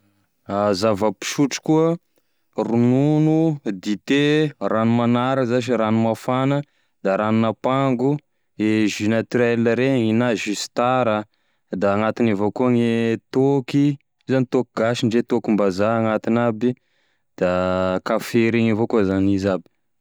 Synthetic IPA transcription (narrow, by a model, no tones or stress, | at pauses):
azavapi̥ʃuʈ͡ʂu̥kuə | rununud̪it̪eranumanaɾəzaʃ̬iɾanumafanə | d̪aɾanunapaŋɡu | eʒynat̪ɛlːəɾeŋinaʒysi̥t̪aɾə | d̪aːŋat̪inavokuaŋet̪oki | zanit̪okiɡaʃiɳɖ͡ʐet̪okimbazaaŋat̪inabi | d̪̥akafeɾiŋavokuzanizabi̥